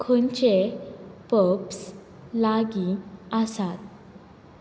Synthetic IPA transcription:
kʰont͡ɕepəps | laɡĩasat̪̚

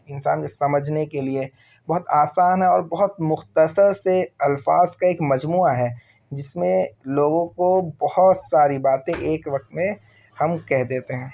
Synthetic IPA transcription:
ɪnsaːnkesɐməd͡ʒʱnekelie | bɔɦʊt̪aːsaːnɦɛɔːɾbɐɦʊt̪mʊxt̪əsəɾseɐlfaːzkaeːkmɐd͡ʒmuːaɦɛː | d͡ʒɪsmẽloːɡõkobɐhʊt̪saːɾibaːt̪ẽʔeːkʋɐx̚t̪mẽ | hɐmkɛɦd̪eːt̪eɦɛ̃ː

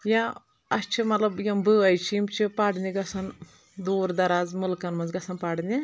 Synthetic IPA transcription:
ja | ɐst͡ʃʰimɐt̪lɐbjɐmbɨɐjt͡ʃʰiimt͡ʃʰipaɽnʲiɡɐsɐn | d̪oːɾd̪ɐɾaːzmulkɐnmɐnzɡɐsɐnpaɽnʲi

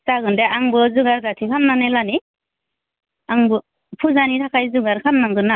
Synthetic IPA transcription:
saɡɯndeaŋbɯzuɡaɾdatʰikʰanːanelani | aŋbɯ | pʰuzanitʰakʰajzuɡaɾkʰanːaŋɡɯna

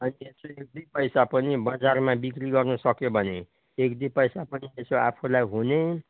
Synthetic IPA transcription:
ʌniesoek̚d̪ipʌjsapʌnibʌd͡zarmabikriɡʌrnʌsʌkjobʱʌne | ekd̪ipʌjsapʌniesoa̰pʰulajɦune

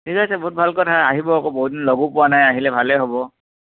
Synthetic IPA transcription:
tʰikasɛbɔɦut̚bʱalkɔtʰaaɦibɔakoboɦut̚dinloɡupʊanajaɦilɛbʱalɛɦɔbɔ

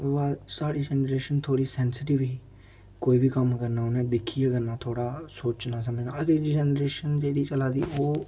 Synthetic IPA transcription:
aːsaːɽiːd͡ʒɛːnɾeːʃənt̪ʰoːɽiːsɛːnsɪʈɪʋiː | koːiːʋiːkəmkəɾnaːʊnẽːd̪ɪkʰːiːaːkənaːt̪ʰoːɽaːsoːt͡ʃnaːsəməd͡ʒnaːət̪eːd͡ʒɛːnɾeːʃənd͡ʒeːɽiːt͡ʃəlaːd̪ḭːoː

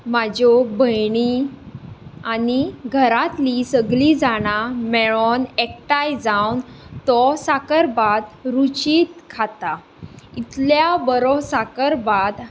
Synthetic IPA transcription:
mad͡ʑɔbʱəjɳi | aniɡʱəɾat̪lisəɡlid͡zaɽ̃amɛɭɔnekʈajd͡zawnt̪ɔsakəɾbad̪ɾut͡ɕiːt̪̚kʰat̪a | it̪ljabəɾɔsakəɾbad̪

